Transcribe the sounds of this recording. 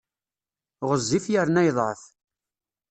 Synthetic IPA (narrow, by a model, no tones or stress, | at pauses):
ʁəzːifjəɾnæjðˤʕəθ